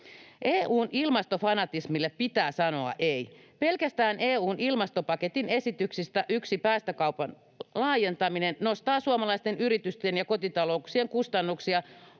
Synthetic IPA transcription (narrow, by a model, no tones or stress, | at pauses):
ʔeːʔuːnʔilmɑst̪ofɑnɑt̪ismilːeppit̪æːsɑno̞ɑ̰ʔejpe̞lkæst̪æːnʔeːuːnʔilmɑst̪opɑket̪ine̞sit̪yksist̪æʔyksipæːst̪ækɑupɑn | lɑːje̞nt̪ɑminennost̪ɑːsuɑmɑlɑist̪enyɾit̪yst̪enjɑko̞t̪it̪ɑlo̞uksieŋkust̪ɑnːuksiɑ